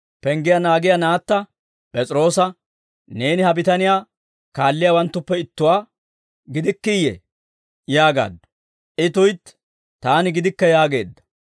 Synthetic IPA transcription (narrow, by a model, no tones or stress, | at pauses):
pɛŋɡɪjɐnaːɡɪjɐnaːt̪ːɐ | pʼɛt͡sʼɪɾo̞ːsɐ | ne̞ːnɪhɐbɪt̪ɐnɪjaː | kaːlːɪjawɐnt̪ːʊpːɛɪt̪ːʊwaː | ɡɪd̪ɪkːɪjɛ̰ | jaːɡa̰ːd̪ːɐ̥ | ʔɪt̪ʊjt̪ː | t̪ːaːnɪɡɪd̪ɪkːɐjaːɡe̞ːd̪ːɐ̥